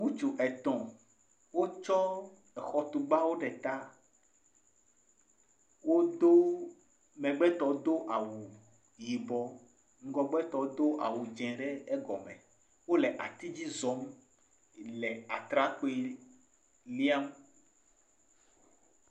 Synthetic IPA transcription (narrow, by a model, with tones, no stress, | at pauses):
mũ˦t͡ʃu˨ʔɛ˨t̪ɔ̃˨ | wo˦t͡ʃɔ˦ | ɛ˨xɔ˨t̪u˨ɡ͡ba˦wo˦ɖɛ˨t̪a˦ | wo˦d̪o˦ | mɛ̃˨ɡ͡bɛ˦t̪ɔ˨˦d̪o˦ʔa˨wu˨ | ji˨bɔ˦ | ŋ̩˦ɡɔ˦ɡ͡bɛ˦t̪ɔ˨˦d̪o˦ʔa̰˨wu˨d͡ʒɛ̃˨ɖɛ˦ɛ˦ɡɔ̰˨mɛ̰̃˨ | wo˦lɛ˨ʔa̰˨t̪i˦d͡ʑi˦zɔ˨˦m | lɛ˨a˨t̪ɾa˦ko˦e˦ | li˦a˦m